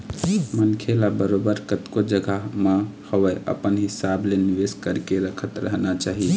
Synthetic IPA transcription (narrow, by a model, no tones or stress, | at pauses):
mənkʰelabəɾobəɾkət̪kod͡ʒəɡʱamahəwəʔə̰pənɦisableniʋeskəɾkeɾəkʰət̪ɾəɦnat͡ʃaɦi